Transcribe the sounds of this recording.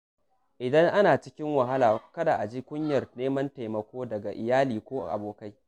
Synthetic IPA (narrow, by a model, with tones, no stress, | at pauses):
ʔɪ˨dɐ˦ŋʔa˦naː˨t͡ʃɪ˦kʲɪ˦ŋwɐ˨ɦa˦laː˨kɐ˦da˨ʔa˨d͡ʒi˦kʷʊ˦ɲjɐ˨rneː˦mɐ˦nta˨jmɐ˨kʷoː˦dɐ˨ɡa˨ʔɪ˨jaː˦liː˨kʷoː˦ʔa̰˨ʔa̰˨boː˨ka˦j